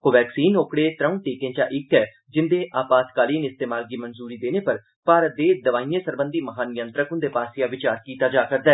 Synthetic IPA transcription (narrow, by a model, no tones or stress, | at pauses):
koːʋɛːksiːnoːkɽeːt̪ɾəũːʈ̪eːkẽːt͡ʃa̰ːʔɪkɛː | d͡ʒɪnd̪eːʔaːpaːt̪kaːliːnɪst̪eːmaːlɡiːmənzuːɾiːd̪eːneːpəɾ | paːɾət̪̚d̪eːd̪əʋaːijẽːsəɾbənd̪iːməɦaːnɪjə̃nt̪ɾəkʊ̃nd̪eːpaːsɪjãːʋɪt͡ʃaːɾkiːt̪aːd͡ʒaːkəɾd̪aɛː